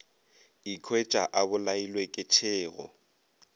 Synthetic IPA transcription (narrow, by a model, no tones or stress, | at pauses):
ikʰwet͡ʃʼaʔabʊlailwekʼɪt͡ʃʰɪːɣɔ̰